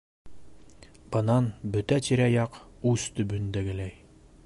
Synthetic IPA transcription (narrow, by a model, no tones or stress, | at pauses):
bɤ̆nɑnbɵt̪æt̪iɾæjɑqʉst̪ɵ̆bɵnd̪æɡɘ̆læj